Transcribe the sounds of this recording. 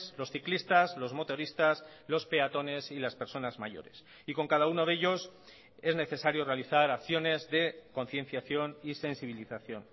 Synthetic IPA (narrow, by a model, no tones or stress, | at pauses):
slo̞sθiklist̪azlo̞zmo̞t̪o̞ɾist̪as | lo̞spe̞at̪o̞ne̞silaspe̞ɾso̞nazmaʝo̞̰ɾe̞̰s | iko̞ŋkað̞auno̞ðeʎo̞s | e̞zne̞θe̞saɾjo̞re̞aliθaɾakθjo̞ne̞zðe̞ko̞n̟θje̞nθjaθjo̞nise̞nsiβ̞iliθaθjo̞̰n